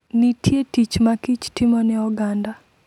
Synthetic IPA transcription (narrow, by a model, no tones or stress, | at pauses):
nitjetit͡ʃmakit͡ʃtɪmɔnɛɔɡanda